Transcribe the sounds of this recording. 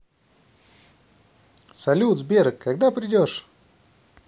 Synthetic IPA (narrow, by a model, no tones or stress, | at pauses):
sɐlʲut̪zbʲeɾəkːaɡd̪apɾʲɪdʲoʂ